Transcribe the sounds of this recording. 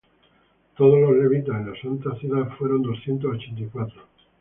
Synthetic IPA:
t̪oð̞ozlozleβit̪̬asenlasant̪aθjuðafwe̞ɾond̪o̞sθjent̪̬osot͡ʃent̪̬ikwat̪ɾo

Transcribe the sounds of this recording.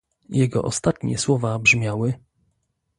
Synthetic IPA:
jɛɡɔ̰ʔɔst̪at̪ɲɛ̰swɔvabʐmʲjawɘ

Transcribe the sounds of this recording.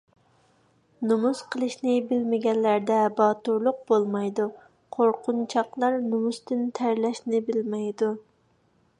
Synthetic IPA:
numuz̥qʰəlˠɨʃnɪbɪlmɪɡʲɛnːæɾd̪ɛbɑːt̪uɾlˠʊq̚bolˠmɑjd̪u | qʰoɾqʰʊnt͡ʃʰɑqlˠɑɾnumust̪ɨnt̪ʰæɾlɛʃnɪbɪlmɛjd̪u

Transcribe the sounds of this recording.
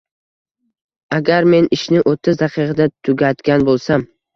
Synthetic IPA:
aɡʲaɾme̞nɪʃnɪʔot̪ʰːɪzd̪aqʰɨqʰɨd̪at̪ʰʊɡʲat̪kʲanbolˠsam

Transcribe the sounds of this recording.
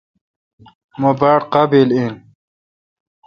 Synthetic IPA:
mobaːɽqabilin

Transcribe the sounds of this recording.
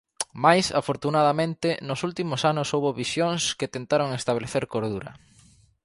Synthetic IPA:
majsa̰foɾt̪unaðɐmẽnt̪ɪnʊsult̪imʊsanʊsowβoβisjoŋsket̪ent̪aɾoŋest̪aβleθeɾkoɾðuɾɐ̰

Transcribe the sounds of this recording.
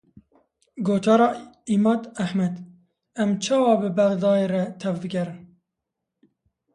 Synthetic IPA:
ɡoːt̪ʰɑːɾɑːiːmɑːd̪æhmɛd̪ | ɛmt͡ʃʰɑːwɑːbɨbæɣd̪ɑːjeːɾɛt̪ʰɛvbɨɡʲɛɾɨn

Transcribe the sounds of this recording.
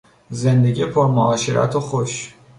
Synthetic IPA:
zend̪eɟipʰoɾmoɒːʃeɾʔæ̰t̪ʰoxoʃ

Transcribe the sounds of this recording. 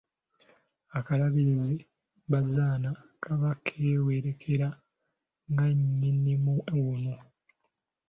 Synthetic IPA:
akalaβiɾizi | βazaːnakʰaβakʰːeːweɾe̞kʰe̞ɾa | ŋɡaɲːinːimuewuno

